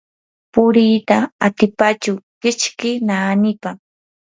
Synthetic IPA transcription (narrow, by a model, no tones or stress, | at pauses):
pʊɾiːt̪aat̪ɪpat͡ʃʊkɪt͡ʃkɪnaːnɪpa